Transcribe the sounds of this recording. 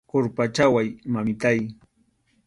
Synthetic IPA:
koɾpat͡ʃawajmamɪt̪aj

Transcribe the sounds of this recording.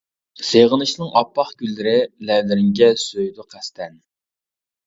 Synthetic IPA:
seʁənɨʃnɨŋʔɑpːɑχɡʲylːɪɾɪlɛd̪ɪɾɪŋɡʲɛsøjd̪ʊqʰæst̪ʰɛn

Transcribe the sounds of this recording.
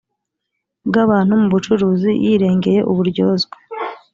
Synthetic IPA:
bɡaβaːnhumuβut͡ʃuɾuːzijiɾe̞ːŋɡe̞je̞̰ʔuβuɾɟo̞ːzɡwe

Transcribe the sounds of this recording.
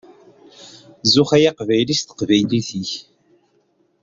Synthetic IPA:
zʊχæjaqvæjlist̪ə̥qvæjliθiç

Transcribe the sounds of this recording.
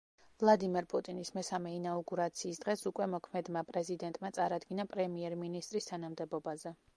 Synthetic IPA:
vlˠad̪imɛɾpʼut̪ʼinismɛsamɛinauɡuɾat̪sʰiːsd̪̥ʁɛsukʼwɛmɔkʰmɛd̪mapʼɾɛzid̪ɛnt̪ʼmat̪sʼaɾad̪ɡinapʼɾɛmiɛɾminist̪ʼɾist̪ʰanamd̪ɛbɔbazɛ

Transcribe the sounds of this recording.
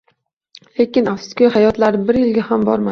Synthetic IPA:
le̞kʲɪnafskʲojhajɒt̪laɾɪbɪɾjɪlɡʲahambɒɾma

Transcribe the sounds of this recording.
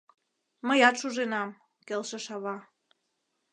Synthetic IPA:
məjɑt̪ʃuʒenɑm | kelʃə̆ʃɑβɑ

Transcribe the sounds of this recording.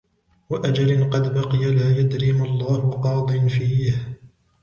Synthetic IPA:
waʔad͡ʒalɪnqɑd̪bɑqɨjalaːjad̪ɾimalˤːɑːhʊqɑːd̪ˤɨnfiːh

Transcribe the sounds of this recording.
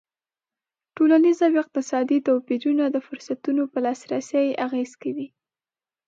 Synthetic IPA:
ʈolanizawɪq̚t̪ɪsɑd̪it̪awpiɾunad̪əfʊɾsat̪unopəlɑsɾasəjaɣezkawi

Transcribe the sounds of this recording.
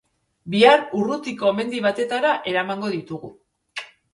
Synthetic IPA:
biarurut̪iko̞me̞nd̪iβ̞at̪e̞t̪aɾaʔe̞ɾamaŋɡo̞ðit̪uɣu

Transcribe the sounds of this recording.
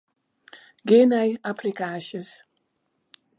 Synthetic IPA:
ɡenajaplikaʃəs

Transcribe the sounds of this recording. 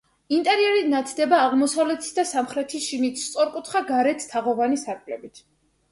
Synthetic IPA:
int̪ʼɛɾiɛɾinat̪ʰd̪ɛbaːʁmɔsavlɛt̪ʰi̥sd̪asamχɾɛt̪ʰisʃimit̪ʰst̪sʼɔɾkʼut̪ʰχaɡaɾɛt̪ʰt̪ʰaʁɔvanisaɾkʼlɛbit̪ʰ

